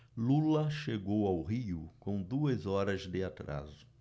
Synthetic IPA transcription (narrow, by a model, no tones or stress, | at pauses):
lulɐʃeɡowawɦiʊkõw̃d̪uɐzɔɾɐzd̪ɪat̪ɾa̰zʊ